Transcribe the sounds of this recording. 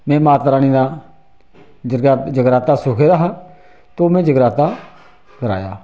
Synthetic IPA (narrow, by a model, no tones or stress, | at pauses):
mɛ̃ːmaːt̪əɾaːniːd̪ãː | d͡ʒəd͡ʒəɡɾaːt̪aːsʊːkʰeːd̪aːɦaː | t̪oːmɛ̃ːd͡ʒəɡɾaːt̪aː | kəɾa̰ːja̰ː